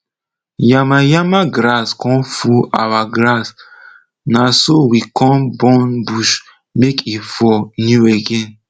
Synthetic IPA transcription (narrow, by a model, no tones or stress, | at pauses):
jamajamaɡɾaskɔ̃nfua̰waɡɾas | nasowikɔ̃nbɔ̃nbuʃ | mekifɔnjueɡɛ̃n